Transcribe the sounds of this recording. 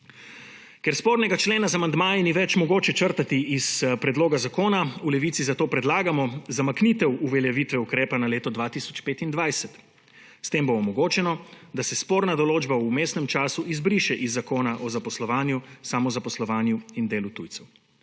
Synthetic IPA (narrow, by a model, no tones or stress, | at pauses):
kɛɾspoːɾnɛɡat͡ʃleːnazamand̪maːjiniʋɛt͡ʃmɔɡoːt͡ʃɛt͡ʃəɾt̪at̪iːspɾɛd̪loːɡazakoːnaulɛʋiːt̪sizat̪oːpɾɛd̪laːɡamɔzamaknit̪ɛwuʋɛljaʋiːt̪ʋɛukɾeːpanaleːt̪ɔd̪ʋat̪isɔ̥t͡ʃpeːt̪ind̪ʋajsɛt̪ | st̪eːmbɔːmɔɡoːt͡ʃɛnɔ | d̪asɛspoːɾnad̪ɔloːd͡ʒbaumeːst̪nɛmt͡ʃaːsuizbɾiːʃɛʔizːakoːnaʔɔzapɔslɔʋaːnjusamɔzapɔslɔʋaːnjuind̪eːlut̪ṵj̪sɛw